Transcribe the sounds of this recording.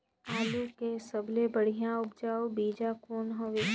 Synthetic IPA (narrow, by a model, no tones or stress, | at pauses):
aːlukesəblebəɽ̤ijãʊp̚d͡ʒaːobiːd͡ʒakoːnɦə̃ʋɪ